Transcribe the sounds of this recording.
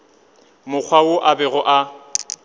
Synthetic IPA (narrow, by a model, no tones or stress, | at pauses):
mʊk͡xʰwaʊʔabɛɣɔʔa